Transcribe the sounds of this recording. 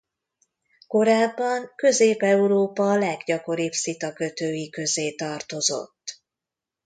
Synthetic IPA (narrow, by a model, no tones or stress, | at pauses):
ko̞ɾaːbːɒŋkø̞zeːpɛuɾoːpɒlɛɡɟɒko̞ɾibsit̪ɒkø̞t̪øːjikø̞zeːt̪ɒrt̪o̞zo̞̰t̪ː